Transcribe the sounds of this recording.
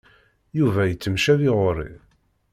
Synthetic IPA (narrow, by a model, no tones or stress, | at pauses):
juvæjət͡sːəmʃæðɪʁoɾḭ